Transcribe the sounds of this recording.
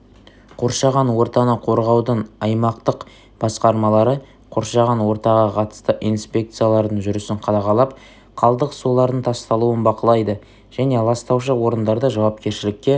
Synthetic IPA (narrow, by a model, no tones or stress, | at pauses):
qʰo̞ɾʃɑʁɑnwo̞ɾt̪ɑnəqʰo̞ɾʁɑwd̪əɴɑjmɑqt̪əq | b̥ɑsqɑɾmɑlˠɑɾə | qʰo̞ɾʃɑʁɑnwo̞ɾt̪ɑʁɑqʰɑt̪ə̥st̪əʔijnspʲe̞k̚t̪sɨjalˠɑɾd̪əɴʒʏɾʏsɪɴqʰɑd̪ɑʁɑlˠɑp | qʰɑlˠd̪əqsolˠɑɾd̪əɴt̪ʰɑst̪ɑlˠuənbɑqəlˠɑjd̪ə | ʒ̥æne̞lˠɑst̪ɑwʃəwo̞ɾənd̪ɑɾd̪əʒɑwɑp̚kʲe̞ɾʃɪlɪkʲːe̞